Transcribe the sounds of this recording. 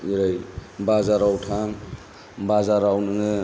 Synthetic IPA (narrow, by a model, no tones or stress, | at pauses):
iɾajbazaɾawtʰa | bazaɾawnɯŋɯ